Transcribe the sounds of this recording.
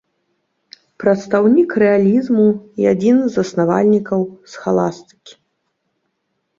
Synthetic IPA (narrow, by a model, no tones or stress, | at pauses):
pɾɐt̪st̪awnʲikrɛalʲizmujad͡zʲinzɐsnavalʲnʲikɐwsxalˠast̪ɨ̥kʲi̥